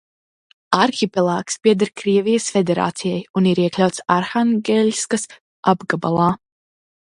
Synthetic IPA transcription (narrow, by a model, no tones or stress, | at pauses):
aɾxipɛlˠaːkspiɛd̪aɾkɾiɛvijəsfɛd̪ʲɛɾa̰ːt̪sijɛjuniɾiɛklʲawt̪saɾxaŋɡʲɛlʲskas | abɡaba̰lˠaː